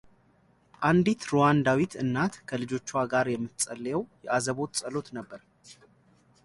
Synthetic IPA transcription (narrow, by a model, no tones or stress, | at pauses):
ʔand̪it̪ɾowand̪awit̪ʰɨnːat̪kʰəlɨd͡ʒo̞t͡ʃːaɡaɾjɛmːɨt̪sʼəlːjɛwjɛʔazəβo̞t̪sʼəlo̞t̪nəbːəɾ